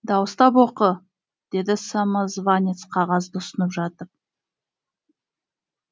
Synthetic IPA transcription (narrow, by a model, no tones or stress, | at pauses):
d̪ɑwəst̪ɑpwo̞qə | d̪̥e̞d̪ɪsamazvanʲe̞t̪sqʰɑʁɑzd̪əʊsənəpʒɑt̪əɾ